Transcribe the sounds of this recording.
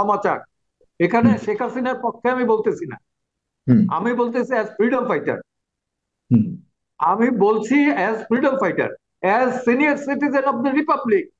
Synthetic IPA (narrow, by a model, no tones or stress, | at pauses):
ɔmat͡ɕa̰ɾ | ekʰaneʃekʰasinaɾpɔkʰːeamibolt̪et͡ɕʰina̰ | a̰mibolt̪et͡ɕʰiɛzfɾiɖomfajʈa̰ɾ | a̰mibolt͡ɕʰiɛzfɾiɖomfajʈa̰ɾ | ɛzsinijaɾsiʈizenɔfd̪əɾipablik̚